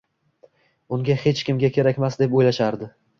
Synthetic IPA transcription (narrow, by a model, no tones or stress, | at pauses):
ʊŋɡʲahe̞t͡ʃkʲɪmɡʲakʲʰe̞ɾakʲmasd̪e̞pojlaʃaɾd̪ɪ